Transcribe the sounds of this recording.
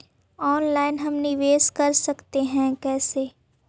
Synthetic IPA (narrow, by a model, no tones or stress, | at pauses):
ɔːnlaːɪnɦɐmnɪʋeːzkɐɾsɐkt̪eɦɛ̃kɛːseː